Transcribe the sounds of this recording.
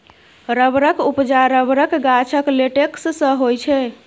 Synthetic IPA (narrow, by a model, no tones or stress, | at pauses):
ɾəbɾəkupd͡ʒaɾəbɾəkɡat͡ʃʰəkleʈekssə̃ɦojt͡ʃʰɛ